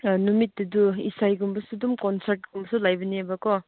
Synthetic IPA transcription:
numit̚dɐduisajɡumbɐsudumkɔnsaɾt̚ɡumbɐsulajbɐniabɐkɔ

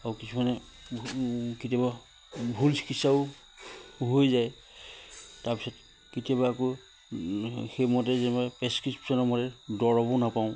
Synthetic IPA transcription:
aɹukisʰumanɛ | kitiaβa | bʱulsi̥kisaʊ | ɦojzaj | taɹpisɔt | kitiaβaːkɔ | xejmɔt̬ɛzɛnɛbajpɹɛskɹipsɔnɔmɔtɛdɔɹɔbɔnapaʊ̃

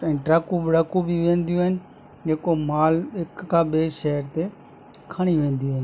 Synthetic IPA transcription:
ɛ̃ːʈɾaːkubɪɽaːkubʱiʋẽːnd̪ijũɦɪnɪ | d͡ʒeːkomaːlɦɪkːãːɓeːʃɛɦəɾt̪e | kʰəɽ̃iʋẽːnd̪ijũɦɪn

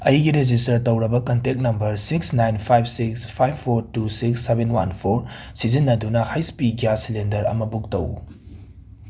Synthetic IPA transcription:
ɐjɡiɾed͡ʒistɐɾtɐwɾɐbɐkɐntek̚nɐmbɐɾsiksnajnpʰajb̚sikspʰajbʰoɾtusiksːebenwa̰npʰoɾsizinːɐdunɐhajspiɡijasilendɐɾɐ̰mɐbuk̚tɐ̰w

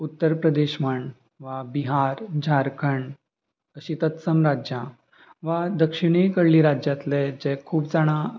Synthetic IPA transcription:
ut̪ːəɾpɾəd̪eɕməɳ | ʋabiɦaɾd͡ʑʱaɾkʰəɳ | əɕit̪ət̪səmɾad͡ʑjã | ʋad̪əkʂiɽ̃ikəɽliɾad͡ʑjat̪lɛd͡ʑɛkʰuːpd͡zaɽ̃ã

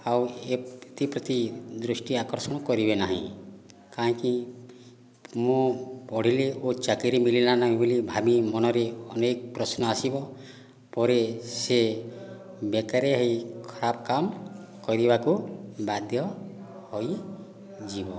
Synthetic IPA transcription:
aweet̪ipɾɔt̪id̪ɾusʈiakɔɾsɔɽ̃ɔkɔɾibenaɦḭ̃ | kaĩki | mũpɔɽ̤ileʔot͡ʃakiɾimililanaɦĩbolibʱamimɔnɔɾeɔnek̚pɾɔsnɔasibɔ | pɔɾese | bekaɾeɦojkʰɔɾabɔkamkɔɾibakubad̪ʱjɔ | hoj | d͡ʒibɔ

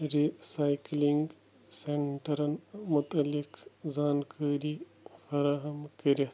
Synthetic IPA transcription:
ɾisaːjkliŋɡ | seɳʈɐɾɐnmʊt̪ɐlːikzaːnkʰaːɾi | fɐɾaːɦɐmkɐɾit̪

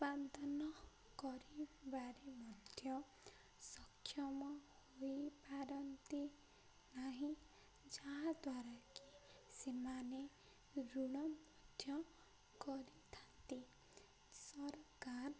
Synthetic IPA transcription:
band̪ʱɔnɔ | kɔɾibaɾemɔd̪ʱjɔ | sɔkʰːjɔmɔhojpaɾɔnt̪i | naɦĩ | d͡ʒaɦad̪waɾaki | semane | ɾuɽ̃ɔmɔd̪ʱjɔ | ɡɔɾit̪ʰant̪i | sɔɾkaɾ

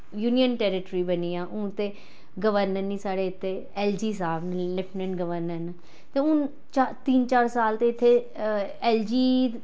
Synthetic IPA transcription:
juːnijənʈɛːɾɪʈɾiːbəniːãːʔʊ̃ːt̪eː | ɡəʋəɾnəɾnĩːsaːɽeːɪt̪ʰːeː | ɛːld͡ʒiːs̬aːbnlɪpʰnə̃ɳɡəʋəɾnəɾna | t̪eːʊn | t͡ʃat̪iːnt͡ʃaːɾsaːlt̪eːɪt̪ʰːeː | ɛːld͡ʒiː

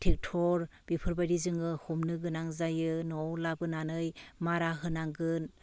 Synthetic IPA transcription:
tʰek̚tʰɔɾb̥ipʰɯɾbajɾizɯŋɯhumnɯɡɯnaŋzajɯnɔwlabɯnanɯjmaɾaɦɯnaŋɡɯn

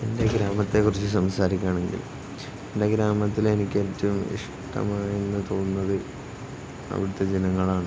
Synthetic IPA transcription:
ende̞ɡɾaːmɐt̪ːe̞kːurit͡ɕːɨsɐmsaːɾikʲːaːɳe̞ŋɡḭl | ende̞ɡɾaːmɐt̪ːile̞nikʲːe̞ːtːɐʋumḭʂ | ʈɐ̰maːjenːɨt̪o̞ːnːɐðɨ | ɐ̰ʋiɽut̪ːe̞d͡ʑenɐŋːɐɭaːɳɨ

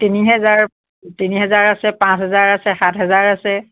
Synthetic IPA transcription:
tiniɦɛzaɹ | tiniɦɛzaɹasɛpãsɦɛzaɹasɛxatɦɛzaɹasɛ

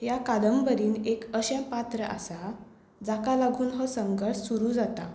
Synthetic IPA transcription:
jakad̪əmbəɾiːnekəɕɛ̃pat̪ɾəʔa̰sa | d͡zakalaɡʱuːnɦɔsəŋɡəɾʂsuɾuːd͡zat̪a

